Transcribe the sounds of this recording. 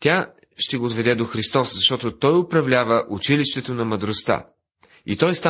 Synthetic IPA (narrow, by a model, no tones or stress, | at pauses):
t̪ʲa | ʃt̪ɛɡoːd̪vɛd̪ɛd̪oxɾist̪ɔszɐʃt̪ɔt̪ot̪ɔjʊpɾɐvlʲavəʔʊt͡ʃiliʃt̪ɛt̪onɐmɐd̪ɾost̪a̰ | it̪ɔjst̪a